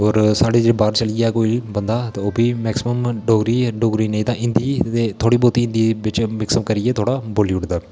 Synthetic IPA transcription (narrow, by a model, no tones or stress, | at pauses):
ɔːɾsaːɽeːd͡ʒebaːɾt͡ʃəliaːkoːibənd̪aːt̪eːoːbiːmɛːksɪməmɖoːɡɾiːɖoːɡɾiːnə̃ĩːt̪ãːʔɪ̃nd̪iːt̪eːt̪ʰoːɽiːboːt̪iːɪ̃nd̪iːbɪt͡ʃmɛksəmkəɾɪeːt̪ʰoːɽaːboːliʊʈd̪aː